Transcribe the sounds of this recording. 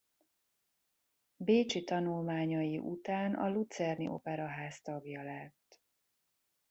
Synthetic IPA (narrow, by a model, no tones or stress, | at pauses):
beːt͡ʃit̪ɒnulmaːɲɒjiʔut̪aːnɒ̰lut̪sɛrnḭʔo̞̰pɛɾɒɦaːst̪ɒɡjɒlɛt̪ː